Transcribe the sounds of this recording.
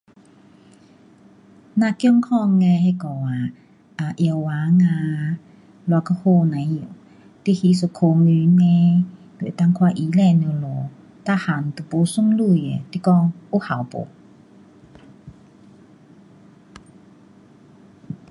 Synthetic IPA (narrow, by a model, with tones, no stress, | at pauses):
nã˧kjɔ˥˧˨ŋkʰɔ˥˧˨ŋːɛ̃˧he˧˨kɔ˨˩˨wa˨ | a˨ʔjə˧˩˨wwaː˨˦ŋã˧ | la˧ka˧ho˧nã˨˦ju˨ | t̪i˧˨hi˧˦s̬o˨˧˩kʰo˧ŋy˧˦nɛ̃˧ | lḛ˨t̪a˧˨ŋkʰwa˧ʔi˨˦lɛ˧˨ne˧˨lɔ˨ | t̪a˥˧˨ha˨nt̪u˨˩po˨˦su˥˨mlu˥˧˨jḛ˨t̪i˧˨kɔ˥˧˨ŋu˧˥ha˨wpo̰˨˦